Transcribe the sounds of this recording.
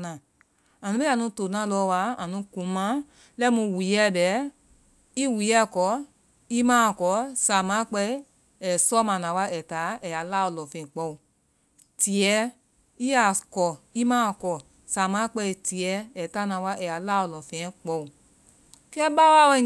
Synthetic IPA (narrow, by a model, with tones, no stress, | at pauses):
nã˨ | a˨nũ˨˦be˦a˨nũ˧to˨nã˨˦lɔ˧˦˧wa˧˦a˨nũ˨˧˦kũ˨˦mã˨˦ | lɛ˦mũ˧wi˨˦ɛ˦˨bɛ˨˦ | i˦˨wi˨˦ɛ˦˨kɔ˨˦ | i˦mãː˦˨kɔ˨˦sa˨mã˨˦k͡pɛ˧˦ | ɛ˨sɔ˦mã˧˨nã˨˧wa˧˦ɛ˨ta˨˦ɛ˨ja˨la˦ɔ˧˨lɔ˨fɛ̃˧˨k͡pɔ˧u˨ | ti˨ɛ˧ | i˦a˦˨kɔ˨i˦mãː˦˧˨kɔ˧˨ | sa˨mã˨˦k͡pɛ˧˨ti˨ɛ˧ɛ˨ta˦nã˨˧wa˧˦ɛ˨ja˨˦la˦ɔ˧˨lɔ˨fɛ̃˧ɛ̃˨˧˦k͡pɔ˧˨u˨ | kɛ˦ba˦wa˧˦wɛ˧˨